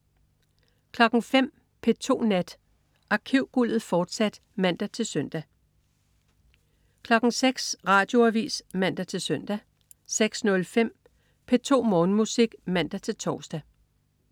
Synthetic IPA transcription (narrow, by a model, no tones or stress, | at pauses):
kʰlɒ̽ɡ̥ŋ̩fem̰ | pʰe̝t͡sʰo̝̰ːnæd̥ | ʔɑ̈kʰiʊ̰ɡ̥ul̰ð̩ˠfɒːd̥sæd̥ | mæn̰d̥æt͡sʰe̝lsœn̰d̥æ | kʰlɒ̽ɡ̥ŋ̩seɡ̥sʁɑ̈ːd̥jo̝æʋḭːsmæn̰d̥æt͡sʰe̝lsœn̰d̥æ | seɡ̥snɔ̽lfem̰ | pʰe̝t͡sʰo̝̰ːmɔ̽ːnəmusiɡ̥mæn̰d̥æt͡sʰe̝lt͡sʰɒːsd̥æ